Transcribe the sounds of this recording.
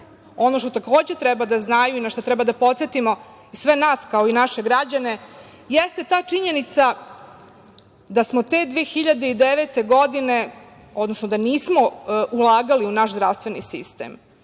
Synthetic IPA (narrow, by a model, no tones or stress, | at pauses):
o̞no̞ʃt̪ot̪akoːd͡ʑet̪ɾɛbad̪aznajuinaʃt̪ot̪ɾɛbad̪apo̞t̪set̪imo̞ | isʋe̞naːskao̞inaʃeɡɾad͡ʑane̞ | jest̪e̞t̪aːt͡ʂiɲe̞nit̪sa | d̪asmot̪e̞d̪ʋexiʎad̪eid̪eʋet̪e̞ɡod̪ine̞ | o̞d̪nosnod̪aniːsmo̞ulˠaːɡaliunaʃzd̪ɾaʋst̪ʋenisḭst̪ḛm